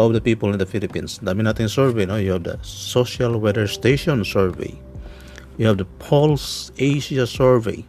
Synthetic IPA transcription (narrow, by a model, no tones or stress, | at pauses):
ɔvðəpipəlɪ̃ndəfilipĩnsdamĩnat̪ɪ̃ŋsɜɹveɪnojuhævd̪ə̰soʃalwɛdə˞steʃɔ̃nsɛɹvḛɪ | juhævdəpʰɔlseʃasɛɹvḛɪ